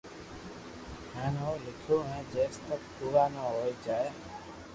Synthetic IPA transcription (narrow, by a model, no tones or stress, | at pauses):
ɦɛ̃ːnõːlɪkʰoːɦɛ̃ːd͡ʒeːst̪ək̚kuːʋaːnaːɦoːid͡ʒaːeː